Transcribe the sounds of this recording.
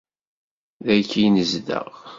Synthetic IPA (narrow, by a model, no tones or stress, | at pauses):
ðækːijnəzd̪ə̰ʁ